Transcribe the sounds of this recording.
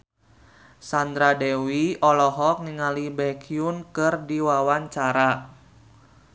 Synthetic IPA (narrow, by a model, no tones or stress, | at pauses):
sand̪ɾadɛwiɔlɔɦɔk̚niŋalibɛkʰiunkɨrdiwawaɲt͡ʃaɾa